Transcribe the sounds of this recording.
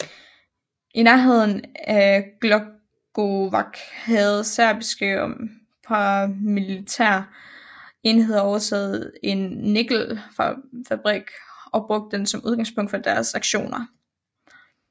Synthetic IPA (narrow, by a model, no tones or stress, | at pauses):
ʔinæɐɦe̝ð̞̰ˠn̩æɡ̥lɒ | ɡ̥oʋɑ̈ɡ̥hæð̩ˠsæɐ̰b̥isɡ̥im | fɑmilit͡sʰæɐ̰ | e̝nhe̝ðˠɒʊɐt͡sʰɛ̰ːð̩ˠe̝nːe̝ɡ̥l̩fɑ̈fæb̥ʁɛɡ̥ɒ̽b̥ʁɔ̽ɡ̥̚d̥ːensɒ̽muð̞ˠɡ̥ɑ̈ŋspʰɔ̽ŋ̰d̥fɒd̥æɐsɑ̈ɡ̥ɕo̝̰ːnɐ